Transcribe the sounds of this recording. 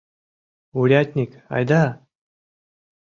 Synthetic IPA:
uɾʲat̪ʲnʲik | ɑ̰jd̪a

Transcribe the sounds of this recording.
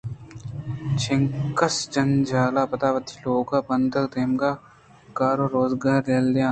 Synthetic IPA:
t͡ʃʰɪŋkɐsd͡ʒɐnd͡ʒaːlaːpɐt̪aːʋɐt̪ːiloːɡaːpɐnd̪əkd̪eːmɡaː | kaːɾoːɾoːzɡaːɾelːeãː

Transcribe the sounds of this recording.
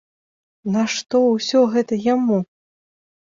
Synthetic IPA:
nɐʂt̪ɔwsʲɔɣɛt̪ɐjamu

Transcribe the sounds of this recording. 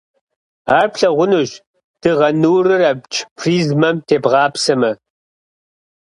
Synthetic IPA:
aːrpɬɐʁʷʊnuʒ | d̥ɨʁɐnɨwrɨrɐbt͡ʃʰʼpʰriːzmɐmtʰeːbʁɑːpsɐmɐ

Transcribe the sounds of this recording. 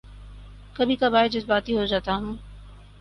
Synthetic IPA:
kɐbʱikabaːɪd͡ʒɪsbaːt̪ɦiɦod͡ʒaːt̪aɦũː

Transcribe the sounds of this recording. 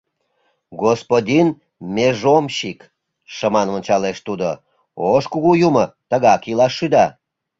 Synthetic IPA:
ɡospod̪ʲin | meʒomɕik | ʃəmɑnvənʲt͡ɕɑleʃt̪ud̪o | oʃkuɣujumət̪əɣɑkilɑʃːyd̪ɑ

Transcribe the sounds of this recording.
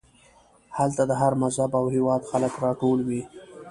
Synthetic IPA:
halt̪ad̪əɦaɾmazhabawhɪwɑd̪xaləkɾɑʈolwi

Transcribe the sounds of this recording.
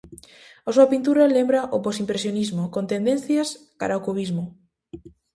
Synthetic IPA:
asuapint̪uɾalembɾaʔoposimpɾesjonizmokont̪end̪ẽnθjas | ka̰ɾaokuβizmo

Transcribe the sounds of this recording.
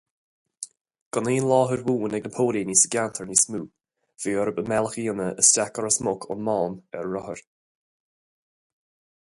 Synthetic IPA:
ɡ̥ɔniːnlɔːɦəɹwuːnɛɡnəpʰoːliniːsəɡjant̪ʰəɹnismuː | v̥iːəɾəbəmɛlˠxiːənəʔəstakəɹəsmʊkʰʊ̰nmɔːmɛɹɹɔhəɹ

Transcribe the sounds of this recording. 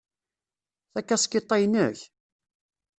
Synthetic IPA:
θækːæskːit̪ˤːɑjnə̰ç

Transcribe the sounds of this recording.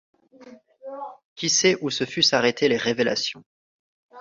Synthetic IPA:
kʲisɛʔusəfysaʁet̪ʰeleʁevela̰sjɔ̃

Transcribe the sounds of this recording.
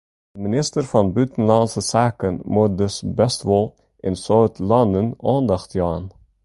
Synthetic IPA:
əminɪstərfɑnbytənlɑnsəsaːkənmut̚dɵsbɛstʋɔlˠ | ʔɪnsoːtʰlɑndənɑːndɑχtjɑːn

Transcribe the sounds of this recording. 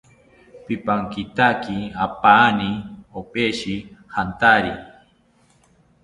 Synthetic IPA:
pipaŋkit̪akiapaniopʼeʃihant̪aɾḭ

